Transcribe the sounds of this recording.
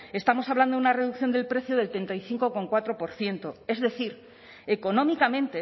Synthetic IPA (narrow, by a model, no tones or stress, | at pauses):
e̞st̪amo̞saβland̪ounare̞ðuk̚θjo̞nd̪e̞lpɾe̞θjoð̞e̞lt̪ɾe̞nt̪ajθiŋko̞ko̞ŋkwat̪ɾo̞po̞ɾθje̞nt̪o̞e̞zðe̞θiɾ | e̞ko̞nõ̞mikamẽnt̪e